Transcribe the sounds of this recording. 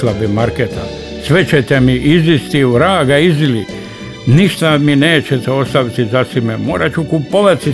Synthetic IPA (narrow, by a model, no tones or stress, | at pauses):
labimaɾket̪a̰ | sʋet͡ɕet̪emiʔizist̪iʋɾaːɡaizili | niʃt̪amineːt͡ɕet̪ɛo̞st̪aʋit̪izasimemo̰ːɾat͡ʃukupoʋat̪i